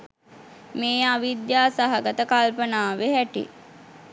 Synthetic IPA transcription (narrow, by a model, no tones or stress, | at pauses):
meːaʋid̪jaːsaɦaɡət̪əkalpənaːʋeɦæʈḭ